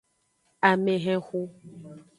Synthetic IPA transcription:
a˨mẽ˨ɦɛ̃˦xu˦

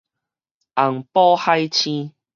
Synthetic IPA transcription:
a˨˩ŋpɔ˦ha˦jt͡ɕʰĩ˦

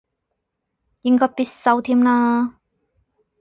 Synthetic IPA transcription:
ji˧ŋkɔː˧piː˧˥t̚sɐ˧wt̪ʰiː˧˥mlaː˧

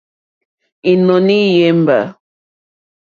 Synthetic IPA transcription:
i˨nɔ˨ni˦je˨˦m˦ba̰˨

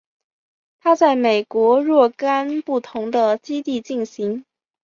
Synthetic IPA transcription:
t̪ʰa˥t͡sa˥˩ɪme˨˩ɪkwɔ˧˥ɻwɔ˥˩ka˥npu˥˩t̪ʰʊ˧˥ŋd̪ə˧t͡ɕi˥t̪i˥˧t͡ɕi˥˩nɕi˧˥ŋ

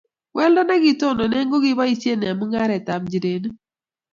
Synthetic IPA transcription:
wʔɛ˦ldɔ˦nɛ˦ɡɪ˦to˦˨nɔ˨nɛ˦ŋɡo˦ɡɪ˦ba˦i˦t͡ʃe˦n˨a˨mʊ˦ŋa˦ɾɛ˨ta˨md͡ʒi˨ɾe˨n˦

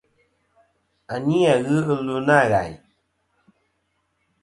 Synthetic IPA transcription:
a˨ni˦a˨ɣɨ˦ɨ˧lu˧na˦˨ɣa̰˨j

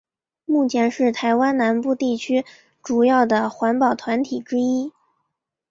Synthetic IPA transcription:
mu˥˩t͡ɕʰjɛ˧˥nʂɻ̩˥˩t̪ʰa˧˥ɪwa˥nna˧˥npu˥˧t̪i˥˩t͡ɕʰy˥ | ʈ͡ʂu˨˩jɑ˥˩ʊd̪ə˩xwa˧˥npɑ˨˩ʊt̪ʰwa˧˥nt̪ʰi˨˩ʈ͡ʂɻ̩˥i˥

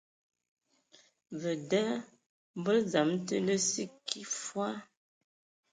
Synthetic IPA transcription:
və˨dɛ˦ | bə˦lza˨˦mtə˦lə˦si˦ki˦fwa˦

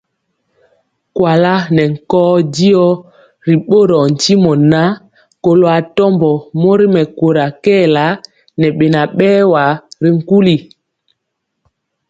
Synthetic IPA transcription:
kwa˨la˦nɛ˨ŋ̩˨kɔː˦di˦ɔ˦ | ɾi˨ɓo˦ɾɔ˨n̩˨ti˦mɔ˨na˦ | ko˨lo˨a˨tɔ˦mbɔ˨mo˦ɾi˦mɛ˨ko˨ɾa˨kɛ˦˨la˦ | nɛ˨ɓe˨na˨ɓɛː˦wa˨ɾi˦ŋ̩˦˨ku˦li˨

